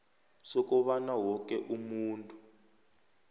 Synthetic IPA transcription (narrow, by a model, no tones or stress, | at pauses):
sɔkɔβanawɔk̬ʼɛʔumuːntʼu